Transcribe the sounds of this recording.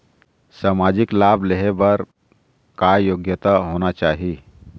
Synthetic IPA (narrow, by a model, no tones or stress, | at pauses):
saːmaːd͡ʒɪklaːbleɦebəɾ | kajoːɡjət̪aɦoːnat͡ʃaːɦi